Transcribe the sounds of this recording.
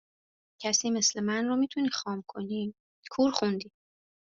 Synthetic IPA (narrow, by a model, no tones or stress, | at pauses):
cʰæsiːme̞slemænromiːt̪ʰuniːxɒːmkʰoni | kʰuːɾxund̪iː